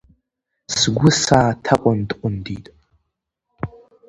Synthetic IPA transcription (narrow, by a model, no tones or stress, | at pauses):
sɡʷʊsaːtʰaqʷʼʊntʼqʷʊnditʼ